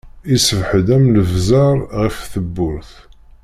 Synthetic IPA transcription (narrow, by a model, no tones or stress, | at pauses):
isəvħðæmləvzɑɾˤʁəfθəbːʊɾθ